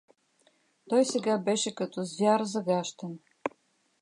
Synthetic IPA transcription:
t̪ɔjsɛɡabɛʃɛkɐt̪ɔzvʲjaɾzɐɡaʃt̪ən

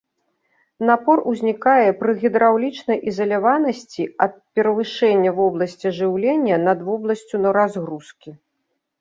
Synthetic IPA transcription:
napɔruzʲnʲikajɛpɾɨɣʲid̪ɾawlʲit͡ʂnɐjʔizɐlʲavanɐsʲt͡sʲiɐt̪̚pʲɛɾɐvɨʂɛnʲːɐvɔblˠɐsʲt͡sʲiʐɨwlʲɛnʲːɐnɐd̪vɔblˠɐsʲt͡sʲunɐɾazɣɾuskʲi

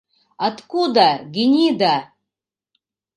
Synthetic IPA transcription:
at̪kud̪aɡʲinʲid̪a

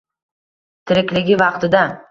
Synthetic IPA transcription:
t̪ʰɪɾɪkʲlɪɡʲɪvɑqt̪ɪd̪a

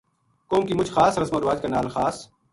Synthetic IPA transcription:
koːmkiːmʊd͡ʒxaːsɾɐsmoːɾʋaːd͡ʒkanaːlxaːs

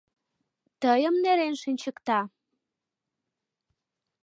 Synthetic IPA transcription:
t̪əjəmneɾenʃənʲt͡ɕəkt̪ɑ

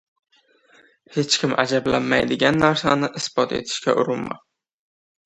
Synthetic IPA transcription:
he̞t͡ʃkʲʰɪmʔa̰d͡ʒablanmajd̪ɪɡʲanːaɾsanɪʔɪsb̥ɒt̪ʰe̞̰t̪ʰɪ̥ʃkʲaʔʊ̰ɾɪnma̰

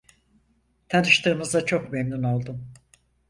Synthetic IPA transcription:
t̪ʰanɯʃt̪ʰɯːmɯzat͡ʃʰo̞kmemnuno̞lˠd̪um

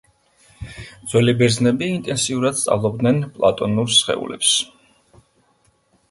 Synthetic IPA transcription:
d̪z̥wɛlibɛɾznɛbiːnt̪ʼɛnsiuɾad̪st̪sʼa̰vlˠɔbd̪nɛnpʼlˠa̰t̪ʼɔnuɾsχɛ̰ṵlɛ̰ps

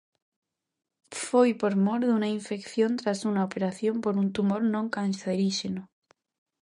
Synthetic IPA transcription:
fojpo̞ɾmo̞ɾðunaiɱfe̞kθjo̞nt̪ɾasunaopeɾaθjo̞mpo̞ɾunt̪umo̞ɾnõŋkansaðeɾiʃeno

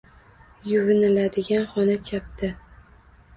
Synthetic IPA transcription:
jʊvɪnɪlad̪ɪɡʲanχɒnat͡ʃʰap̚t̪ɪ

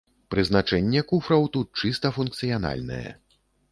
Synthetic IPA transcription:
pɾɨznat͡ʂɛnʲːɛkufɾɐwt̪ut̪̚t͡ʂɨst̪ɐfunk̚t̪sɨjana̰lʲnɐ̰jɛ̰

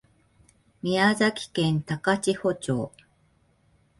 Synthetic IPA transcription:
mʲiazakʲi̥kẽ̞nt̪akat͡ɕiho̞t͡ɕo̞̰ː

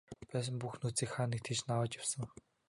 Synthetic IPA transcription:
pæːs̬ə̆mpuxnut͡siːkχaːnĭk̚t̪ʰet͡ɕnawəːt͡ɕjawsə̆ŋ

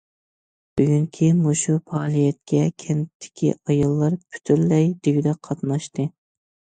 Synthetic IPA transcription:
b̥yɡʲyŋkʲʰimoʃupʰɑːlˠijɛt̪kʲʰɛkʲʰɛnt̪ʰːɪ̥kʲʰḭɑjɑlˠːɑɾpʰy̥t̪ʰyɾlɛjd̪eɡʲid̪ɛqʰɑt̪nɑʃt̪ɨ

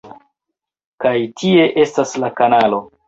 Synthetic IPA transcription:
kajtʰie̞ʔe̞staslakanalo̞

